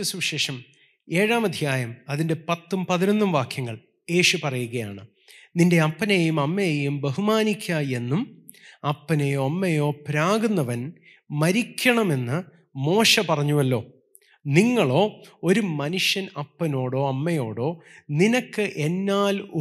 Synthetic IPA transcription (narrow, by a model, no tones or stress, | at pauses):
ɐsuʋɕe̞ːʂɐm | e̞ːɻaːmɐd̪ʱjaːjɐmɐðinde̞pɐt̪ːumpɐðinonːumʋaːkʰjɐŋːɐɭ | je̞ːʂupɐrɐjuɣɐja̰ːɳɨ | ninde̞ɐpːɐnejumɐmːɐjejumbeɦumaːnikʲːaje̞nːum | ɐpːɐnejoːɐmːɐjo̞ːpɾaːɡunːɐʋɐn | mɐɾikʲːɐɳɐme̞nːɨ | mo̞ːʂɐpɐrɐɲːuʋɐlːo̞ː | niŋːɐɭo̞ːo̞ɾumɐnuʂjɐnɐpːɐno̞ːɽo̞ːɐmːɐjo̞ːɽo̞ːninɐkːɨʔe̞nːaːlu